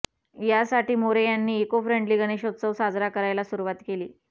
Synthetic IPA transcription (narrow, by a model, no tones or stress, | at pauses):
jasaʈiːmoɾejanːiːekofɾeɳɖliːɡəɽ̃eɕot̪səʋsad͡zɾakəɾajlasuɾuʋat̪keliː